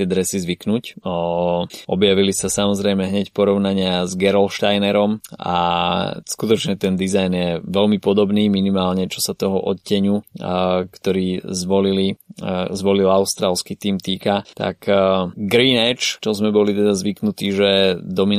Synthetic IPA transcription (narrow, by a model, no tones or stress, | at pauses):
t̪ɪɛd̪ɾɛsizʋiknuc | ʔɔbjaʋilisasamɔzɾɛjmɛɦɲɛcpɔɾɔʊnaɲɪazɡɛɾɛlʃt̪ajnɛɾɔma̰skut̪ɔt͡ʃɲɛt̪ɛnd̪izajnjɛʋɛlmipɔd̪ɔbniːminimaːlɲɛt͡ʃɔsat̪ɔɦɔʔɔt̪cːɛɲu | kt̪ɔɾiːzʋɔlilizʋɔlilaʊst̪ɾaːlskit̪iːmt̪iːkat̪a̰kɡɾiːnɛt͡ʃt͡ʃɔzmɛbɔlit̪ɛd̪azʋiknut̪iːʒɛd̪ɔmin